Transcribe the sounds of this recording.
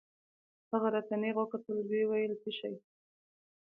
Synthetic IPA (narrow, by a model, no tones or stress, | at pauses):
haɣaɾat̪aneɣwakat̪əlwewajəlsiʃaj